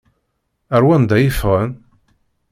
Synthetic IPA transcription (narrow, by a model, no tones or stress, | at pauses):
æɾwænd̪æjifʁən